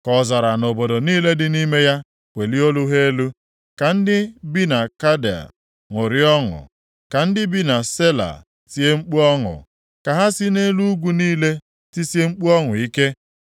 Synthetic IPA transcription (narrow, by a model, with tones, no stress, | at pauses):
kɔ˨za˨ɾa˨no˨bo˨do˨niː˦le˦dɪ˦ni˦me˦ja˦ | kʷe˨li˦o˦lu˦ɦe˦lu˦ | ka˨n̩˦dɪ˦bi˦na˨ka˦da̰˨ | ŋo˨ɾi˦ɔ˦ŋʊ̰˨ | ka˨n̩˦dɪ˦bi˦na˨se˦la̰˨ | si˦e˦ŋ͡m̩˦k͡pu˦ɔ˦ŋʊ̰˨ | ka˨ɦa˦sɪ˦ne˦lu˦ɡʷu˦niː˦le˦ | ti˦si˦e˦ŋ͡m̩˦k͡pu˦ɔ˦ŋʊ˨i˦ke˦